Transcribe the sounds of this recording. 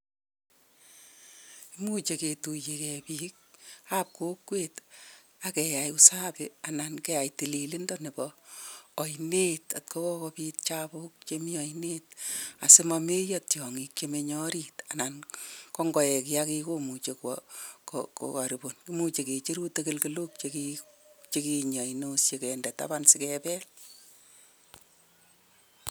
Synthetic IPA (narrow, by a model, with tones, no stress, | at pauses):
i˦mu˦t͡ʃe˨ke˨tu˨je˨kɛ˨piː˦k̚ap̚ko˦kweːt | akɛ˨jajʊ˦sa˦kɪa˨na˨nkɛ˦ja˨jti˨li˨lɪ˦ndɔnɪ˨bɔː˨ | jneta̰˨t̚ko˦kɔ˦kɔpiːt̚t͡ʃabʊk̚t͡ʃemi˦ɔjnet̚a˨sɪ˦mɔme˦jɔtjɔ˨ŋikt͡ʃemeɲɔ˦ɾita˨nankɔ˦ŋɡɔ˨jɛ˨ki˦akikomut͡ʃe˨kwɔ̰ko̰ko̰ka˨ɾi˨bonkimut͡ʃe˨ke˨t͡ʃi˦ɾu˦tekɪlkɪlu˦k̚t͡ʃekit͡ʃekiɲa˨inosje˨kɛndɛta̰bansɪkɛpɛ˦l